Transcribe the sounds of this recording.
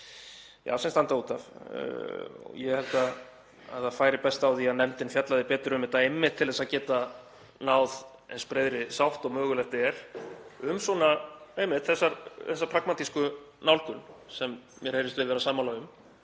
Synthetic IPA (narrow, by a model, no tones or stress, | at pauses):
ja̰ːwsɛnst̪ant̪auːt̪av̰ | ɔ̰jɛhɛlt̪a | a̰ðaðfaːjɾɪpɛst̪awθiaðnɛmt̪ɪnfjat̪laðɪpɛːt̪ɪɾʏmɪt̪aejmːɪht̪ʰːɪlðɛsaðcɛːt̪a | naːwð | ɛ̰nspɾeːjðɾɪsawht̪ɔɣmœːɣʏlɛxt̪ɛɾ̥ʏmsɔnaejmːɪht̪θɛsːaɾθɛs̬ːapʰɾakmat̪iskʏ | nawlkʏnsɛmːjɛɾ̥hejɾɪst̪vɪðvɛːɾasaːmalaɣʏm